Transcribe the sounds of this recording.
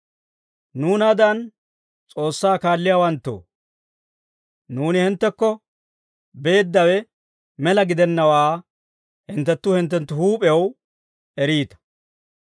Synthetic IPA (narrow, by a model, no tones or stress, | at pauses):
nuːnɐd̪ɐn | t͡sʼo̞ːsːaːkaːlːɪjaːwɐnt̪ːo̰ː | nuːnɪhɪnt̪ːɛkːɔ | be̞ːd̪ːɐwɛ | mɛlɐɡɪd̪ɛnːɐwaː | hɪnt̪ːɛt̪ːʊhɪnt̪ːɛnt̪ːʊhuːpʼɛw | ɛɾiːt̪ɐ̥